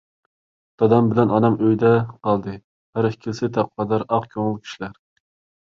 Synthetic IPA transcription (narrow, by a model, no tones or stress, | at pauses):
t̪ɑd̪ɑmbɪlɛnɑnɑmøjd̪ɛqɑlˠd̪ɨ | hæɾɪkʲʰilsɪt̪ʰæp̚qʰɑd̪ɑɾɑqkʲʰøŋɪlˠkʲʰi̥ʃilæɾ